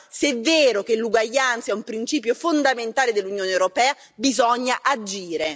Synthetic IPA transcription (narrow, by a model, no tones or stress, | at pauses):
sɛveːɾokelːuɡwaʎːant̪saɛumpɾint͡ʃiːpjofond̪ament̪aːled̪elːunjoːnewɾopɛːa | bizɔɲːaʔad͡ʒiːɾe